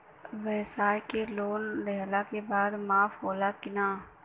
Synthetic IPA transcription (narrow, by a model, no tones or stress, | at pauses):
ʋɛːsaːjkeloːnɾɛɦlakebaːd̪maːfɦoːlakɪnaː